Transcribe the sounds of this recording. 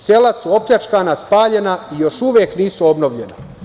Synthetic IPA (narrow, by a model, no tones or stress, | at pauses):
se̞lasuo̞pʎat͡ʃkanaspaːʎe̞naijo̞ʃuʋjeːkniːsuo̞bnoʋʎena̰